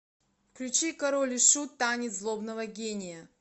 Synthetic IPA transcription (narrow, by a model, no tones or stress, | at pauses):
fklʲʉt͡ɕikɐɾolʲiʂut̪ːanʲɪt̪zlˠobnəvəɡʲenʲɪjə